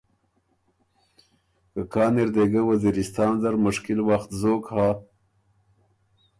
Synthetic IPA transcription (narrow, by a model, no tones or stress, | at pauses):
kəkɑːniɾd̪eɡawaziɾɪst̪ɑːnzaɾmʊʂkɪlwaxt̪zoːkha